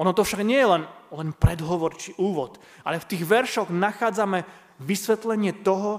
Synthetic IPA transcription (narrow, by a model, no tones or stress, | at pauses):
ɔnɔt̪ɔfʃaɡɲɪɛjɛlɛnlɛnpɾɛd̪ɦɔʋɔɾt͡ʃiʔuːʋɔt̪ | ʔa̰lɛft̪iːɣʋɛɾʃɔɣnaxaːd͡zamɛ | ʋisʋɛt̪lɛɲɪɛt̪ɔɦɔ